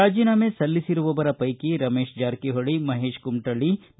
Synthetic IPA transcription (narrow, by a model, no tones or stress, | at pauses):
aːd͡ʒinamesɐlːisiɾuʋɔːʋɐɾɐpɐjkiɾɐmeːʃd͡ʒaːɾkiɦoɭimɐɦeːʃkumʈɐɭi